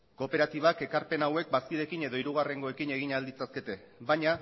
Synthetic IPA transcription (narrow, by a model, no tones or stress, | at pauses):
ko̞pe̞ɾat̪iβ̞ake̞kaɾpe̞nawe̞k̚baskiɾe̞kine̞ðo̞iɾuɣ̞are̞ŋɡo̞ekine̞ɣ̞iɲald̪it͡saske̞t̪e̞ | βajɲa